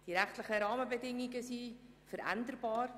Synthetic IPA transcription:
d̥iɾæχtləχəɾɑːməbədɪŋiɡəsiːfəɾʔæ̰ndərbɑːr

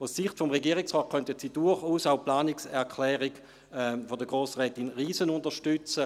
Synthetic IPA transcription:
assiχtfɔmʁeɡiːʁiksʁɔːt̚kʰχœntətsid̥ʊɐχuːsaʊplaːniksɛɐkʰlɛːʁiɡ | fodəɡʁoːsʁɛːtinʁiːsənʊndəʃtʏt͡sə

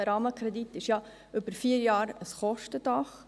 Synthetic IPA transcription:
ɾɑːməkɾɛd̪itːɪʃjɑ | ʏbəɾfiːəɾjɑːɾəsχɔʃtəd̥ɑχ

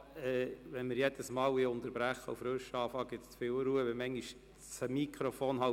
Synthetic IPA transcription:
ɛːʋɛnmɪɾjɛd̥̪əsmɑːwiʊnt̪əɾb̥ɾæχːəufɾøʃɑːfɑːɡ̥ɪt̪st͡sfɪːlwɾuːəʋɪmɛŋɡiʃ | t͡səmikʰɾofoːnhɑ

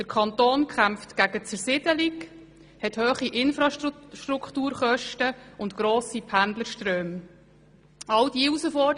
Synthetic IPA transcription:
d̥əɾkʰɑnt̪oːnkχæmftɡ̥æɡət͡sɛɾsɪd̥əlik | hɛthøːχiʔɪnfɾɑʃʃtɾuktuːɾχœʃtəʊntɡɾoːsipʰændləʃtɾøːm | ɑld̥iːusəfɔ

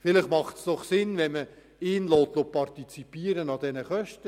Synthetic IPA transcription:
fɪlɪχmɑχtsd̥ɔχsɪnvɛnmə | ɪːnloːt̪lopɑrtit͡sipiːəɾənɑd̪ɛnəχœʃtə

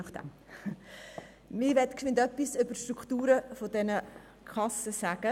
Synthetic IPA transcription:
nɑχd̥ɛ̰m | mɪʋɛtksɪndœpːisʏb̥əʃtɾukχtuːɾəfodɛnə | kʰɑsəsæɡ̥ə

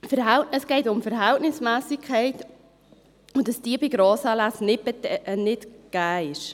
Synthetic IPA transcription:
fəɾɦæltəsɡ̥ɛɪtʊmfəɾɦæltnɪsmæːsɪkʰχɛɪt | ʊdɑsd̥iːbɪɡɾoːsɑlæsnɪpɛtnɪtɡ̥æːɪʃ

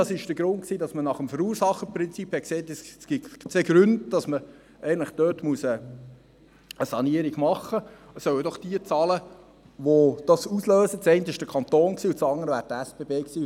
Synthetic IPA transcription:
ɑsɪʃd̥əɡ̥ɾʊntksiːdɑsmənɑχəmfəɾuːɾsɑχːəpɾɪnt͡siphɛksɛːtɛssɡ̥ɪt͡sɛɡ̥ɾʉndd̥ɑsmə | ɛənlɪχd̥øːtmuəsə | əsɑniəɾiɡmɑχːə | sœwədɔχd̥iət͡sɑːlə | ʋod̥ɑsusløːsət͡sɛɪntəɪʃd̥əkʰɑnt̪oːnksiːʊt͡sɑnəɾəʋæːɾdəɛsb̥eːbeːksiː

